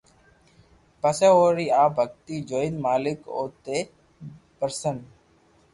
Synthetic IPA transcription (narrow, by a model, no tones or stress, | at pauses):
pəseoːɾiːaːbʱək̚t̪iːd͡ʒoːinmaːlɪko̰ːt̪e | pəɾsən